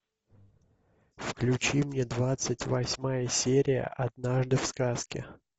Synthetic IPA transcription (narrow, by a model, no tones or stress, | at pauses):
fklʲʉt͡ɕimnʲed̪vat̪sɨtʲvɐsʲmajəsʲeɾʲɪjə̰ʔɐd̪naʐd̪ɨfskaskʲɪ̰